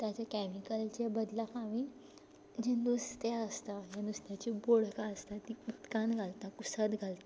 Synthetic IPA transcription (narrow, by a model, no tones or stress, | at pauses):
t̪jat͡ɕakɛmikəlt͡ɕebəd̪lakʰãʋĩ | d͡ʑenust̪aəst̪ajanust̪jat͡ɕiboɽkaəst̪at̪iut̪kãnɡʱalt̪akusət̪ɡʱalt̪a